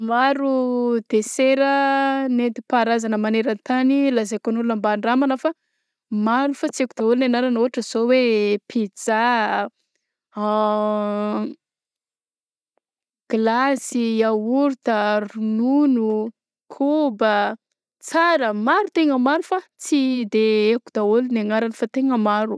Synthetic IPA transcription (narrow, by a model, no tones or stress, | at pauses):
maɾud̪eseɾənet̪ipaɾazanəmaneɾant̪anilazakonulunambaɳɖ͡ʐamanəfa | maɾufat͡siekud̪aulunanaɾanoɦaʈ͡ʂəz̥owepʰid͡za | ɡ̥lasiauɾt̪arununu | kʰubə | t͡saɾəmaɾut̪eŋəmaɾufat͡sid̪eekud̪̥aulunaŋaɾanifat̪eŋəmaɾu